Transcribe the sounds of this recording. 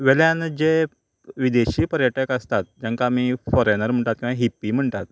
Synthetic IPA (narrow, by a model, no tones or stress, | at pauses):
ʋeljãnd͡ʑe | ʋid̪eɕiːpəɾjəʈekəst̪at̪̚d͡ʑãŋkaːmifɔɾenəɾm̤əɳt̪at̪̚kĩʋãɦipːim̤əɳt̪at̪̚